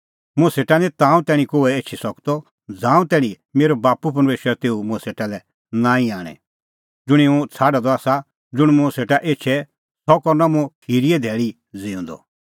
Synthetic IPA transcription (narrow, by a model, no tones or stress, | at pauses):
mũɛseːʈanĩt̪ãːũt̪ɛːɽ̃ĩkoːɛeːt͡ʃʰisɔkt̪ɔ | d͡zãːũt̪ɛ̃ːɽ̃ĩ | meːɾɔbaːpup̬ɐɾmeːʃəɾat̪eːumʊ̃ɛseːʈalɛ | nãːĩaːɽ̃ɛ̰̃ | d͡zʊɽ̃iũt͡sʰaːɖad̪ɔaːsa | d͡zʊɽ̃mũseːʈaʔeːtːt͡ʃʰɛ | sɔkɔɾnamũhiɾiɛd̪ʱɛːɭi | d͡ziũːnd̪ɔ̰